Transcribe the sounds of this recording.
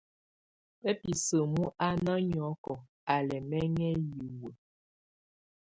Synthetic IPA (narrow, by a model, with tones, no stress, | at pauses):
pɛ˦pi˨sə˨mu˦ʔa˦na˦ɲ˨ɔ˨˦kɔ˨ | a˨lɛ˨mɛ˦ŋɛ˦ji˨wə˨